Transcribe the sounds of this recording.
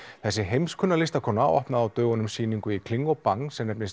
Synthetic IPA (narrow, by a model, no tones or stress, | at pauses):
θɛsːɪɦejmskʰʏnːalɪst̪akʰɔːnaa̰wɔ̰hpnaðawt̪œːɣɔnʏmsiːniŋkʏikʰlɪŋːɔpaŋsɛmnɛpnɪs